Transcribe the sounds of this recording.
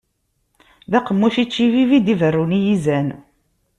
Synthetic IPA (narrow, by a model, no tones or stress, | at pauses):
ðæqəmːuʃit͡ʃːivivid̪ivərːunijizæn